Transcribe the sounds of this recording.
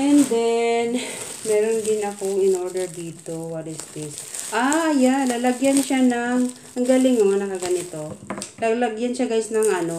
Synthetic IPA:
ʔɛnd̪ɛnmɛːɾond̪ɪnɐkoŋɪnʔoɹd̪ɛɹd̪iːt̪o̞waɾɪsd̪ɪsʔajalalɐɡjanʃanɐŋ | ʔɐŋɡalɪŋoŋanɐkɐɡɐnɪt̪o̞lalɐɡjanʃaɡajsnɐŋʔɐno̞

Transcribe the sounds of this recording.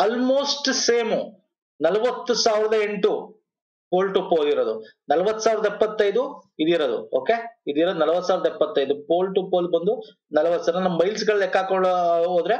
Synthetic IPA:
ɐlmoːsʈseːmu | nɐlɐʋɐt̪ːusaːʋiɾɐd̪ɐe̞ɳʈu | poːlʈupːoːd̪iɾod̪unɐlɐʋɐt̪ːu̥saːʋɪɾd̪ɐjɛpːɐt̪ːɐjd̪uid̪iɾod̪ṵoːkeid̪iɾod̪unɐlɐʋɐt̪ːusaːʋɾɐd̪ɐipːɐt̪ːɐjd̪upoːlʈupːolbɐnd̪u | nɐlɐʋɐt̪ːsaɾnɐnɐmːɐbɐjls̬ɡɐɭekːaːkoɭoːd̪ɾe

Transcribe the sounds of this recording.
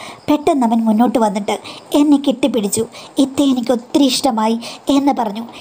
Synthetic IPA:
pe̞ʈːɐnːɐmɐnmunːo̞ːʈːɨʋɐnːiʈːɨe̞nːekiʈːipːiɽit͡ɕːuit̪ːejenikʲːo̞t̪ːiɾiiʂʈɐmaːjie̞nːɨpɐrɐɲːu

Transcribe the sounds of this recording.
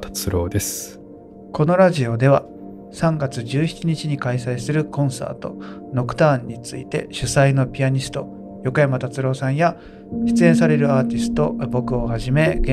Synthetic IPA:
t̪ḁt͡sɨɾo̞ːd̪e̞s | ko̞no̞ɾaʑio̞d̪e̞β̞a | sãŋɡat͡sɨʑɨːçi̥t͡ɕiɲ̟it͡ɕiɲ̟ikaisaisɨɾɯ̟kõ̞ɰ̃sa̰ːt̪o̞̰no̞kɯ̟̥t̪ãːɲ̟ːit͡sɨḭt̪e̞̰ɕɨsaino̞pʲiaɲ̟isɨ̥t̪o̞̰ | jo̞kojamat̪at͡sɨɾo̞ːsãɰ̃ja | çi̥t͡sɨẽ̞ɰ̃s̬aɾe̞ɾɯ̟aːt̪ʲisɨ̥t̪o̞bo̞kɯ̟o̞haʑime̞ɡẽ

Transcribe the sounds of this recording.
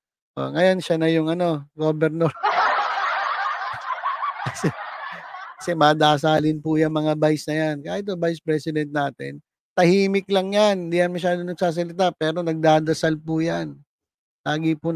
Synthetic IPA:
ʔo̰ŋɐjonʃɐnɐjʊŋɐno̞ɡoːbɛɾnoɾ | kɐsɛ | kɐ̥sɛmɐːd̪aːsaːlɪnpʊjɐŋmɐŋabajsnɐjankaːhɪt̪̚ːobajspɾɛsɪd̪ɛnt̪̚naːt̪ɪ̰n | t̪ɐhiːmɪklɐŋjannd̪iːjɐnmɐʃ̬aːd̪onɐɡ̚saːs̬ɐlɪt̪apɛːɾo̞nɐɡ̚d̪aːd̪ɐsalpʊjan | laːɡɪpʊ

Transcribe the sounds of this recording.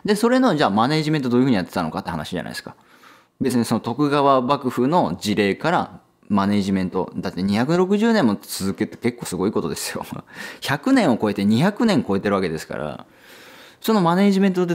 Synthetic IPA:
d̪eso̞ɾe̞no̞d͡ʑaːmane̞ːʑiment̪od̪oj̟ɯ̟ɲ̟ijat̪ːe̞t̪ano̞̰kat̪ːehana̰ɕiʑa̰na̰ḭsɨ̥ka | be̞t͡sɨɲ̟iso̞no̞t̪o̞kɯ̟ɡaβabakɯ̟ɸɯ̟no̞d͡ʑiɾe̞ːkaɾa̰ | mane̞ːʑimẽ̞nt̪o̞̰d̪at̪ːeɲ̟içakɯɾo̞kɯ̟ʑɨːnẽmːo̞t͡sɨzɨket̪ːe̥ke̞kːo̞ːsɨɡo̞iːko̞t̪o̞d̪e̞sɨ̥jo̞̰çakɯ̟nẽ̞ɰ̃o̞ko̞et̪e̞ɲ̟içakɯ̟nẽ̞ŋko̞e̞t̪e̞ɾɯaked̪e̞sɨ̥ka̰ɾa̰ | so̞no̞mane̞ːʑimẽ̞nt̪od̪e

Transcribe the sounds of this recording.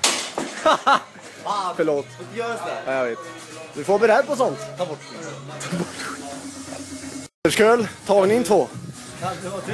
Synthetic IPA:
fœəɭoːt̪ːɛjɑːjaɡveːt̪ | d̪ʉfoːbɛɾæːɾpɔsɔnt̪ʰːb | t̪ʰːb | t̪əʂkøːlt̪ʰɑːɡnɪŋt̪ʰvoː

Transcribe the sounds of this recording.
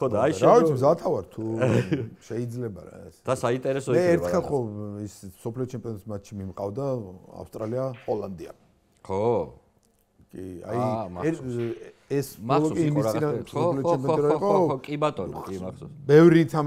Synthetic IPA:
ɔd̪aʃavisʰmzat̪ʰavaɾt̪ʰu | ʃɛid̪zlɛba̰ɾa̰ɛ̰sd̪̥asaint̪ʼɛɾɛsɔmɛːɾt̪χɛlˠχɔissɔpʰliɔt͡ʃʰɛmpʼiɔnt̪smat̪ʃimimqʼavd̪aa̰fst̪ʼɾaliaɔland̪ia̰ | ɔ | kʼia̰jɛ | ɛsɔɔkʼimid̪asɔliɔt͡ʃɛmpʼɔɾɔiqʼɔkʼibat̪ʼɔnabɛvɾit̪ʰam

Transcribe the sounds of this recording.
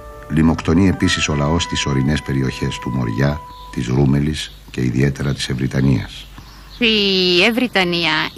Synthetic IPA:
limo̞kt̪o̞nie̞pisiso̞lɐo̞st̪iso̞ɾine̞spe̞ɾio̞çe̞st̪umo̞̰ɾʝɐ | t̪izɾume̞lis | ce̞ḭðḭe̞t̪e̞ɾɐt̪i̥se̞vɾit̪ɐniɐ̰s | ievɾit̪ɐniɐ

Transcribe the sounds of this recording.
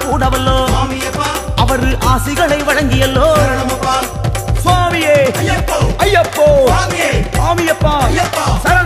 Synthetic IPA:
kuːɽɐʋɐlːoː | ʔɐʋɐɾɯʔaːsɪɣɐɭɐɪʋɐɻɐŋɡɪjɐlːoː | saːmɪjeː | ɐjːɐpːoː | saːmɪjɐpːaːsɐɾɐ

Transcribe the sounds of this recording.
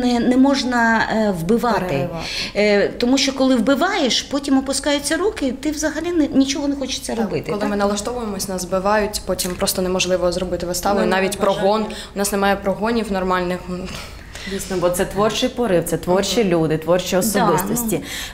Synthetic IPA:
nɛnɛmɔʒnɐʋbɪʋɑt̪ɪ | t̪ɔmuʃt͡ʃɔkɔlˠɪwbɪʋɑjeʃpɔtʲimɔpʊskɑjʊt͡sʲːɐɾukɪt̪ɪʋzɐɦɐlʲinɛnʲit͡ʃɔɦɔnɛxɔt͡ʃɪ̥t͡sʲːɐɾɔbɪt̪ɪklˠɪmɪnɐlˠɐʃt̪ɔʋʊjemɔsʲnɐzbɪʋɑjʊtʲpɔtʲimpɾɔst̪ɔnemɔʒlˠɪʋɔzɾɔbɪt̪ɪʋɪst̪ɑʋʊjʊnɑʋʲitʲpɾɔɦɔnʊnɑsnemɑjɛpɾɔɦɔnʲiwnɔrmɑlʲnɪx | dʲisʲnɔbɔt̪sɛt̪ʋɔrt͡ʃɪjpɔɾɪwt̪sɛt̪ʋɔrt͡ʃilʲud̪ɪt̪ʋɔrt͡ʃiɔsɔbɪst̪ɔsʲttʲi

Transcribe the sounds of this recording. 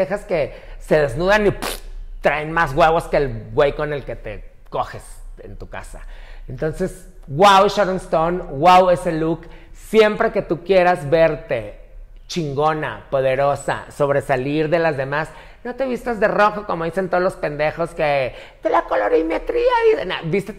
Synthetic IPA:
exaske̞se̞ðe̞znuðanipt̪ɾaenmazɣweβo̞ske̞ːlɡwejko̞ne̞lke̞t̪e̞̰ | ko̞xe̞sḛnt̪uka̰sa̰ent̪o̞nse̞s | ɣwawʃoɾonst̪onɡwawe̞se̞luksje̞mpɾe̞ke̞t̪ukje̞ɾazβe̞ɾt̪e̞ | t͡ʃiŋɡo̞na̰po̞ð̞e̞ɾo̞sa̰so̞β̞ɾe̞saliɾðe̞lazðe̞mas | no̞t̪e̞βist̪azðe̞ro̞xokomo̞ðisent̪oolospe̞nd̪e̞xo̞ske | d̪̥elakoloɾeimet̪ɾiaiðena̰bist̪e

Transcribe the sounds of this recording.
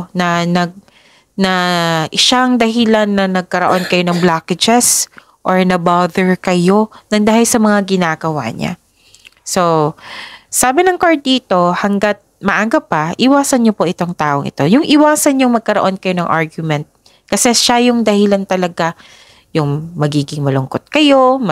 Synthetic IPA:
nɐnɐɡ̚ | nɐʔɪʃaŋd̪ɐɦɪlanːɐnɐɡ̚kɐɾoʔo̞nkɐjo̞nɐŋblaːkɛd͡ʒɛs | ʔoɹnɐbaːðɛɹkɐjo̞nɐŋd̪aːhɪlsɐmɐŋaɡɪnaːɡɐwa̰ɲa̰ | so̞ | saːbɪnɐŋkɐɹ̚iːt̪o̞hɐŋɡat̪̚mɐʔaɡɐpːɐʔɪwaːsɐnɲopoʔɪt̪o̞ŋt̪aːʔoŋʔɪ̰t̪o̞jʊŋʔɪwaːsɐnɲoŋmɐɡ̚kɐɾoʔo̞nkɐjo̞nɐŋʔaɹɡjʊmɛnt̪̚ | kɐsɛʃajʊŋd̪ɐhɪlɐnt̪ɐlɐɡa | jʊŋmɐɡiːɡɪŋmɐlʊŋkot̪̚kɐjo̞m

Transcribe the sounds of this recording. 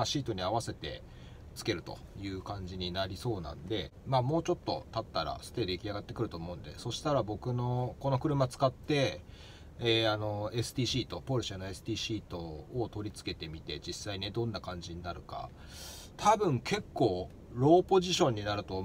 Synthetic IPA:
aɕiːt̪o̞ɲ̟iaβase̞t̪e̞̰ | t͡sɨ̥ke̞ɾɯ̟t̪o̞̰jɯ̟ːkãɲ̟d͡ʑiɲ̟inaɾʲiso̞ːnã̰nod̪e̞maːmo̞ːt͡ɕo̞t̪ːo̞̰t̪at̪ːaɾa̰sɨ̥t̪e̞d̪eikʲiaɡat̪ːe̞kɯ̟ɾɯ̟t̪o̞ːmo̞ɯ̟̃nd̪e̞̰so̞ɕi̥t̪aɾabo̞kɯ̟no̞ko̞no̞kɯ̟ɾɯ̟mat͡sɨ̥kat̪ːe̞ | eano̞e̞sɨ̥t̪ʲiːɕiːt̪o̞po̞ɾɯ̟ɕianoe̞sɨ̥t̪ʲiːɕiːt̪o̞ːt̪o̞ɾʲit͡sɨ̥ke̞t̪e̞mʲit̪e̞d͡ʑisːaine̞d̪õ̞nːakãɲ̟d͡ʑiɲ̟inaɾɯ̟ka̰ | t̪ʰabɯ̟̃ŋkʰe̞kːo̞ː | ɾo̞ːpo̞ʑiɕõ̞ɲ̟ːinaɾɯ̟t̪oː

